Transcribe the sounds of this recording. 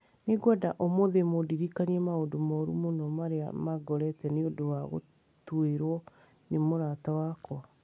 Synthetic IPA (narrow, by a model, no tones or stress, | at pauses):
neɡwadaʔomoðemodiɾikaniɛmaodomaoɾumonɔmaɾea̰maɡɔɾɛtɛneodowaɣo̰ | tweɾwɔ | nemoɾatawakɔ